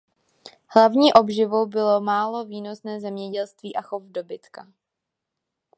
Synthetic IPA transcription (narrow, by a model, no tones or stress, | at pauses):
hlavɲiːʔo̞bʒɪvowbɪlo̞maːlo̞viːno̞snɛːzɛmɲɛɟɛlst̪viːʔaxofdo̞bɪt̪ka